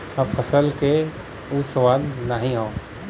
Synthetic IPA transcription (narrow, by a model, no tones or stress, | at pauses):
ɐfʰɐsəlke | usɐʋaːlnəɦĩɦõː